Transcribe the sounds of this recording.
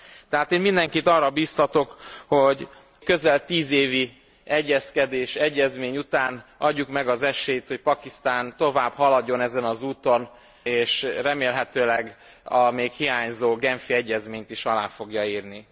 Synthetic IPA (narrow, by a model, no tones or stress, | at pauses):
t̪ɛɦaːt̪eːnmind̪ɛŋkit̪ɒrːɒbiːst̪ɒt̪o̞kho̞ɟ | kø̞zɛlt̪iːzeːvi | ɛɟːɛskɛd̪eːʃɛɟːɛzmeːɲut̪aːnɒɟːukmɛɡɒzɛʃeːjt̪ho̞cpɒkist̪aːnt̪o̞vaːbhɒlɒdːo̞nɛzɛnɒzuːt̪o̞n | eːʃrɛmeːlɦɛt̪øːlɛɡ | ɒmeːkhijaːɲzoːɡɛɱfiɛɟːɛzmeːɲt̪iʃɒlaːfo̞ɡjɒiːrni